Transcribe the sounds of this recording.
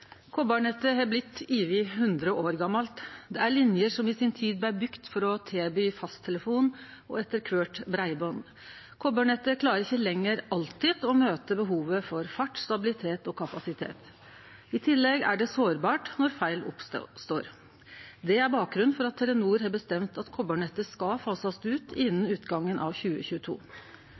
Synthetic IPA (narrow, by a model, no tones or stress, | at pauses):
kʰobɑɳɛt̪ːəɦɑblɪt̪ːiːʋɪhʉnd̪ɾəʔoːɾɡɑmːɑlt̪d̪ɛæɾɭɪnjəʂɔmɪsɪnt̪ʰiːd̪̚b̪æɪbʏkt̪fɔɾɔt̪ʰeːbyːfɑst̪ʰɛləfuːn | ɔ̰ɛt̪ːəɾkʰʋøːʈbɾæɪbɔn | kʰɔbɑːɳɛt̪ːəkʰlɑːɾəɾɪçːəlɛŋːəɾɑlt̪ɪd̪ɔmøːt̪əbəɦuːʋəfɔɾfɑʈst̪ɑbɪlɪt̪ʰeːt̪ɔkʰɑpɑsɪt̪ʰḛːt̪ | ɪt̪ʰɪlːɛɡæ̰ɖɛsoːɾbɑːʈnɔɾfæɪlɔ̰psst̪oːɾ | d̪ɛæɾbɑːk̚ɡɾʉnfɔɾɑt̪ʰːɛɾənuːɾhɑbəst̪ɛmt̪ʰɑt̪kʰɔbøːɳɛt̪ːəskɑfɑːsɑst̪ʉːt̪ʰɪnːənʉːt̪ɡɑŋːənʔɑ̰ʋçʉːə̰çʉːət̪ʰṵː